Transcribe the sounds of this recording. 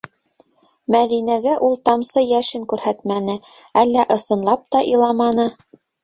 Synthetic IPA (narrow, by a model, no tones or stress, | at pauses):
mæðinæɡæʔulˠt̪ɑmsɤjæʃɘŋkʉɾhæt̪mænɘælːæʔɤ̆sɤ̆nlˠɑp̚t̪ɑʔilˠɑmɑnɤ